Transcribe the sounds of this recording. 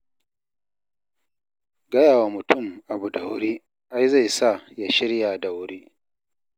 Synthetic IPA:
ɡɐ˦jaː˨wa˨mʊ˨tʊ˦˨mʔa˨bu˨da˨wɾiː˦ | ʔa˦jza˦˨jsa˦˨ja˦ʃɪ˦ɾja˨da˨wɾeː˦

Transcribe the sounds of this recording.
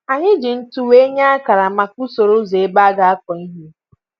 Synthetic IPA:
a˨ɲɪ˦d͡ʒɪ˨n̩˦tu˦we˦ɲa˦a˦ka˨ɾa˨ma˨ku˦so˨ɾo˦ze˨e˦ba˦a˦ɡa˨a˦kɔ˨i˦ɦi˦

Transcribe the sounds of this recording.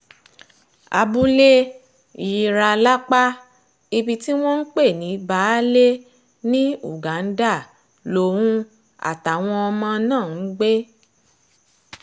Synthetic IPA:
a̰˧bu˦le˦˨ | ji˧ɾa˧la˦k͡pa˦ | i˧bi˧ti˦w̃ɔ̃˦n̩˦k͡pe˦˨nĩ˨˦ba˨˦le˦ | nĩ˦u˦˨ɡa˨˦n̩˦da˦˨ | lo˧˨wũ˦ | a̰˨ta˨w̃ɔ̃˧ɔ˧mã˧nãː˦˨n̩˦ɡ͡be˦

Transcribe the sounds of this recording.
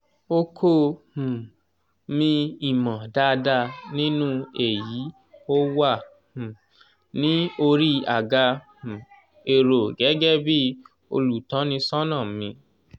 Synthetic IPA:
o˧kʰo˦hũ˨ | mĩ˧i˨mã˨da˦˧da˧˨nĩ˦nũ˦e˨ji˨˦ | o˦wa˦˨ | hũ˨ | nĩ˨˦o˧ɾi˦a˨ɡa˧h̩˨ | e˨ɾo˨ɡɛ˨˦ɡɛ˦bi˦ | o̰˧lu˨tã˨˦nĩ˧sɔ̃˦nã˦˨mĩ˧

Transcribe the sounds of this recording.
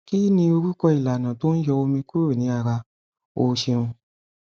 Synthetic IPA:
ki˦nĩ˧o˧ɾu˦kɔ˧i˨la˨nã˨to˦ñ̩˦jɛ˧o˧mĩ˧ku˦ɾo˦˨nĩ˨˦a˦˧˨ɾa˧ | o˧˦ʃe˧ɾũ˧

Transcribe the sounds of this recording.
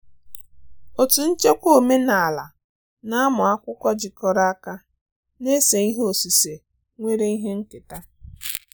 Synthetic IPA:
o˨tu˨n̩˦t͡ʃe˦kʷo˦˨me˦na˨a˨la˨ | na˦a˦mʊ˨a˦kʷʊ˦kʷɔ˦d͡ʒɪ˨kɔ˦ɾa˦a˦ka˦ | ne˦se˨i˦ɦo˨si˨se˨ | ŋʷe˦ɾe˦i˦ɦe˦ŋ̩˦kɪ˨ta˦

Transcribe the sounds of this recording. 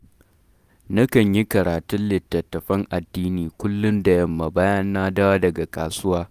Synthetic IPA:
nɐ˦kɐ˨ɲji˦kɐ˨ɾaː˨tʊ˦nlɪ˨tːɐ˨tːɐ˨ɸɐ˦ŋʔa˨dːiː˦niː˨kʷʊ˦lːʊ˦nda˨jɐ˦mːa˨baː˦jɐ˦nːaː˦da˦wa˦dɐ˨ɡa˨kʼaː˨sʊ˦waː˦

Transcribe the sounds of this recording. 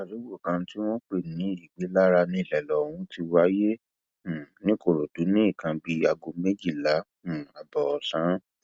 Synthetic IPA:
a˨ɾi˨˦wo˦˨kã˧ti˦w̃ɔ̃˦k͡pe˦˨nĩ˨˦i˦˨ɡ͡be˨˦la˦ɾa˧nĩ˧˦˨lɛ˨lɔ˨hũ˨˦ti˧wa˦jẽ˦˨ | nĩ˦ko˦˨ɾo˨du˨˦nĩ˦i˦˨kã˧bi˧a˧ɡo˧me˦d͡ʒi˦˨lã˨˦˨a˨bɔ˨ɔ˨sã˨˦

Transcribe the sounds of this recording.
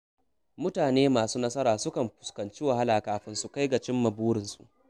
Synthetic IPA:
mʊ˦taː˨neː˦maː˨suː˦nɐ˦sɐ˦ɾaː˨sʊ˦kɐ˨mɸʊ̥˨skɐ˨nt͡ʃi˦wa˨ha˦laː˨kaː˨˦ɸɪ˦nsu˨ka˦jɡa˨t͡ʃɪ˦mːɐ˨buː˦ɽɪ˨nsu˨ʔ

